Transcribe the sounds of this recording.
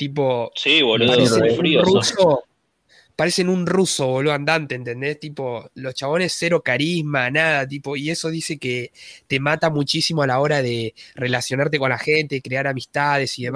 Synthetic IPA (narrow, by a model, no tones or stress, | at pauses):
t̪ipo̞siβolopasefuɾiruso | paɾe̞senunruso̞βoloand̪ant̪eːnt̪e̞nd̪est̪ipo̞lo̞st͡ʃaβo̞ne̞sːeɾo̞kaɾizmanaðat̪̬ipo̞ie̞so̞ðise̞ket̪e̞mat̪amut͡ʃisimo̞alao̞ɾað̞e̞re̞lasjo̞naɾt̪eko̞nlaxe̞nt̪ekɾeaɾamist̪aðe̞siðem